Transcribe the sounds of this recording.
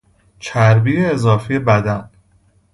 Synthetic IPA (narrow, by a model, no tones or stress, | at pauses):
t͡ʃʰæɾbijeezɒːfijebæd̪æn